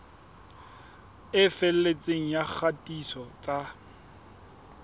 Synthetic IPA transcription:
ɪfɛl̩let͡sʼeŋ̩jak͡xʰatʼisɔt͡sʼa

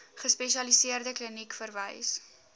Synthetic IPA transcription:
χəspɛʃiɐlisiərdəklinikfərvə̰js

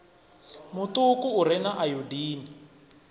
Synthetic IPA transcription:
mutukuːɾɛnaʔajudiːni

